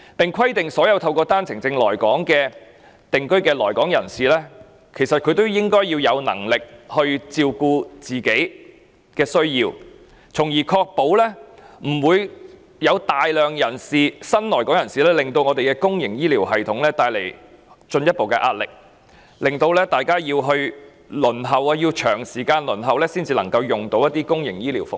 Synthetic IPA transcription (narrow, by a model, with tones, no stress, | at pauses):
pɪ˨ŋkʰɐ˥jt̪ɪ˨ŋsɔː˨˥jɐ˧wt̪ʰɐ˧wkɔː˧t̪aː˥nt͡sʰɪ˨˩ŋt͡sɪ˧ŋlɔː˨˩jkɔː˨˥ŋkɛː˧ | t̪ɪ˨ŋkɵ˥ɥkɛː˧lɔː˨˩jkɔː˨˥ŋjɐ˨˩nsiː˨lɛː˥ | kʰe˨˩jsɐ˨t̚kʰɵ˧ɥt̪o˥wjɪ˥ŋkɔː˥jiː˧wjɐ˨˧wnɐ̰˨˩ŋlɪ˨k̚hɵ˧ɥt͡siː˧wkuː˧t͡siː˨˩ke˨˥j | kɛː˧sɵ˥ɥjiː˧w | t͡sʰʊ˨˩ŋjiː˨˩kʰɔː˧k̚po˨˥wlɛː˥m̩˨˩wuː˨˧j | jɐ˨˧wt̪aː˨jlœː˨ŋjɐ˨˩nsiː˨sɐ˥nlɔː˨˩jkɔː˨˥ŋjɐ˨˩nsiː˨˩lɛː˥lɪ˨ŋt̪o˧wŋɔː˨˧t̪e˨jkɛː˧kʊ˥ŋjɪ˨˩ŋjiː˥liː˨˩wɦɐ˨jt̪ʰʊ˨˥ŋlɛː˥t̪aː˧jlḛ˨˩jt͡ʃɵ˧njɐ˥t̚po˨wkɛ̰˧ʔaː˧t̚lɪ̰˨k̚ | lɪ˨ŋt̪o˧wlɛː˥t̪aː˨jkaː˥jiː˧wɦɵ˧ɥ | lɵ˨˩nɦɐ˨waː˧jiː˧wt͡ʃʰœː˨˩ŋsiː˨˩kaː˧nlɵ˨˩nɦɐ˨wlɛː˥siː˥nt͡siː˧lɐ˨˩ŋkɐ˧wjʊ˨ŋt̪o˨˧wjɐ˥t̪iː˥kʊ˥ŋjɪ˨˩ŋjiː˥liː˨˩wfʊ˨